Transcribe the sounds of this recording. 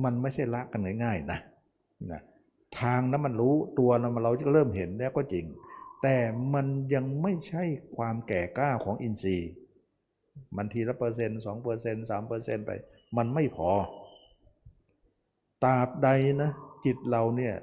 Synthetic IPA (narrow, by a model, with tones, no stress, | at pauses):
ma˧nma˥˩t͡ɕʰa˥˩jla˦˥ʔka˧nŋa˧˩jŋaː˥˩jna˦ | na̰˧˩ | t̪ʰaː˧ŋna˦˥ma˧nɾuː˦˥t̪u˧ɐla˧˥˩ma˧nla˧wja˦˥˧ɾɤː˥˩mɦe˨˦nlɛː˦˥˩wkɔː˧˥˩t͡ɕi˨˩ŋt̪ɛː˨˩ma˧nja˧ŋma˥˩jt͡ɕʰa˥˩jkʰwaː˧mkɛː˨˩kaː˥˩kʰɔː˩˦ŋʔi˧nsiː˧ | ma˧nt̪ʰiː˧la˧˥˩pɤː˧s̬e˧nsɔː˩˦ŋpɤː˧se˧nsaː˩˦mpɤː˧se˧˩˨npa̰˧j | ma˧nma˥˩jpʰɔː˧ | t̪aː˧˩p̚da˧jna˦˥ki˨˩t̪̚la˧wni˧˥˩ɐ